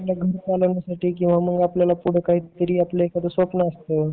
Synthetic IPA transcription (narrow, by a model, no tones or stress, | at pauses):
laɡʱəɾt͡saləʋnjasaʈiːk̬ĩw̃ʋaməɡapljalapuɽ̤əkaɦiːt̪əɾiːaplekat̪əsʋəpnaəst̪ə